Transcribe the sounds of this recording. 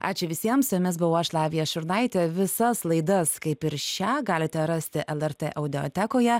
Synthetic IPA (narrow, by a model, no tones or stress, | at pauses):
ɑ̰ːt͡ʃʲʊʋʲɪsʲiɛmsʊjʊmʲɪsbʊʋoːɐʃlˠɑːʋʲɪjɛʃʊɾnɐɪt̪ʲɛʋʲɪsɐslˠɐɪd̪ɐskɐɪpɪɾʃʲæːɡɑːlʲɪt̪ʲɛɾɐsʲt̪ʲɪʔɛlˠɛɾt̪ʲeːʔɛʊd̪ʲɪo̰t̪ʲækoːjɛ